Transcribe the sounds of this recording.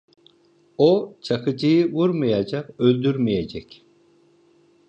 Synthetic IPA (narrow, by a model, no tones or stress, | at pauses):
ot͡ʃʰakɯd͡ʒɯjɯvuɾmɯjad͡ʒaqølʲd̪yɾmijed͡ʒɛc